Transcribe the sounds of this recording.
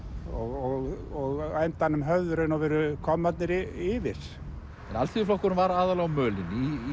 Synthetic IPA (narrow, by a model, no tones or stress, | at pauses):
ɔɣɔɣɔɣajnt̪anʏmɦœvðʏɾɪnɔwvɛːɾʏkʰɔmːat̪nɪɾɪɪːvɪs | ɛnalt̪ʰiɪflɔhkːʏɾʏmvaɾaːðalaɣmœːlɪni